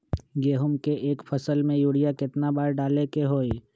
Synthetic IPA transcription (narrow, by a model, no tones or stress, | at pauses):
ɡeːɦʊmkeʔeːkpʰəsəlmẽjuːɽijakɪt̪nabaːɾɖaːlekeɦoːi